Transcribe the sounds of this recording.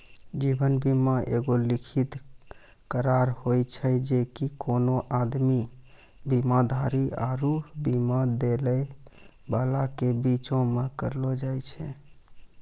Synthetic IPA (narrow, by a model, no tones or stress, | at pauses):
d͡ʒibənbimaʔeɡolikʰit̪ | kəɾaɾhojt͡ʃʰɛd͡ʒekikonoʔad̪mi | bimad̪ʱaɾia̰ɾuɦbimad̪eləjbalakebit͡ʃõmekəɾlɔd͡ʒajt͡ʃʰɛ